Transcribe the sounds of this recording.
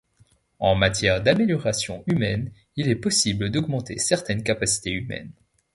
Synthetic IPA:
ɑ̃mat̪jɛʁd̪ameljɔʁasjɔ̰̃ymɛn | ilɛpɔsibləd̪ɔɡmɑ̃t̪ḛsɛʁt̪ɛnkapasi̥t̪eymɛ̰n

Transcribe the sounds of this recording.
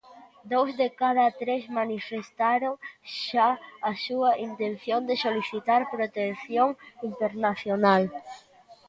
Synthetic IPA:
d̪owzðekað̞at̪ɾezmanifest̪aɾoŋʃaasuaint̪ẽn̟θjond̪esoliθit̪aɾpɾot̪enθjoŋint̪eɾnaθjonal

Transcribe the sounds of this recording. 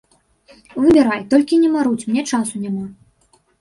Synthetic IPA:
vɨbʲɛɾajt̪ɔlʲkʲinʲɛmaɾut͡sʲmnʲɛt͡ʂasunʲama

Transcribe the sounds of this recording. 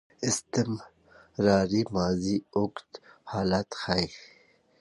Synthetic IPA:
ɪst̪im | ɾaːɾimaːziʊkt̪haːlat̪xajx

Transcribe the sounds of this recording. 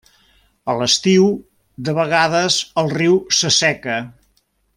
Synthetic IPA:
ələst̪iw | d̪əβəɣaðəzəlˠriwsəsɛkə

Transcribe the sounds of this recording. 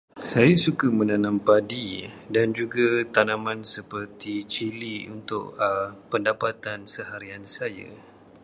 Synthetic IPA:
sajasukamə̃nanãmpadidand͡ʒuɡat̪anãmãnsəpərt̪it͡ʃiliṵnt̪ʊ̰ʔpəndapat̪ansəhaɾiansaja̰

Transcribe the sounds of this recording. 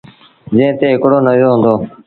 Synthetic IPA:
d͡ʒẽɦt̪eːɦɪkɽoːnəʋjoːɦʊ̃ːnd̪oː

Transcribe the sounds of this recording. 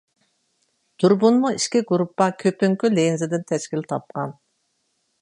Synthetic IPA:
d̪̥uɾbunmoiʃkʲiɡuɾupːɑkʲʰøpyŋkʲylenzed̪ɪnt̪ʰɛʃkilʲt̪ʰɑp̚qɑn

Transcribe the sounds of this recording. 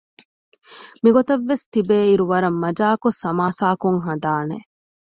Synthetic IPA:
miɡot̪ɐʋːest̪ibeːiɾuʋɐɾɐmːɐd͡ʒaːkosɐmaːsaːkuŋɦɐnd̪aːne

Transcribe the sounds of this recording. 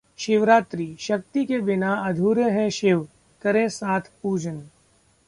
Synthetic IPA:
ʃɪʋɾaːt̪ɾiːʃɐk̚t̪ikebɪnaɐd̪ʱuɾjəɦɛ̃ʃɪʋ | kɐɾẽsaːt̪ʰpuːd͡ʒən

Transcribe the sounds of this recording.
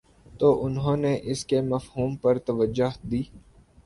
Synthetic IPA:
t̪oːʔʊnɦõːneʔɪskemɐfɦuːmpɐɾt̪ɐʋəd͡ʒːʊɦd̪iː

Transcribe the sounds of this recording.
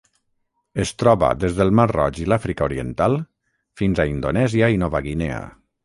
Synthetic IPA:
est̪ɾɔβa̰d̪ezðəlˠmarɔ̰ʒilafɾikauɾiə̰nt̪alˠ | finzaind̪onɛziainɔβaɣinea̰

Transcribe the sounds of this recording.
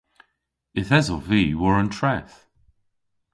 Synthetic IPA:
ɪθɛzɔviːwəɹə̃ntʰɹɛθ

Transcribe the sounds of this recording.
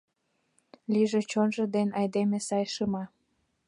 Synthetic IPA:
liʒet͡ɕonʒɤ̆d̪enɑjd̪emesɑjʃəmɑ

